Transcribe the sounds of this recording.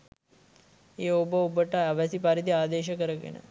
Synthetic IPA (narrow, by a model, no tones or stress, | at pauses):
eːobəobəʈəaʋəsipaɾid̪iaːd̪eːʃ̬əkəɾəɡḛnə̰